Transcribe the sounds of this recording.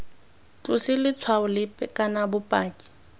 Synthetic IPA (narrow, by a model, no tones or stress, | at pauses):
t͡ɬʼʊsɪlɪt͡sʰwaʊlɪpʼɛkʼanabʊpʼaːkʼi̥